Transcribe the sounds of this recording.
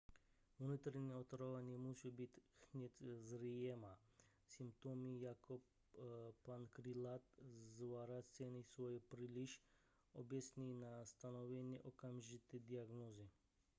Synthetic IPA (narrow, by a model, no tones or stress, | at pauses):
nut̪ɾeɲɛot̪ɾoʋanjɛmut͡ʃɛbit̪xnet̪zɾijema | simpt̪omijakʰo | pankɾilat̪zʋaɾasenisʋojɛpɾiliʃ | obesninast̪anoʋɛnjɛʔokamʒit̪ɛd̪iaɡnoːzi